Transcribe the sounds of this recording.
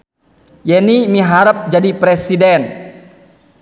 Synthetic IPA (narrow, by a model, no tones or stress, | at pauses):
jɛnimiɦaɾəp̚d͡ʒadipɾɛsidɛn